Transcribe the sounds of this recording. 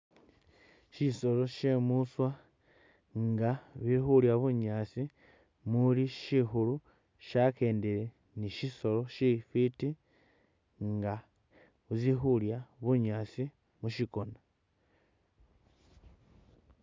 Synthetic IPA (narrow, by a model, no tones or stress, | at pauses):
ʃiso̞lo̞ʃemuswa | ŋɡaβixuljaβuɲaːt͡si | muliʃixulu | ʃakeːndeɾe | niʃiso̞lo̞ʃifiti | ŋɡa | βuzixuljaβuɲaːt͡si | muʃiko̞na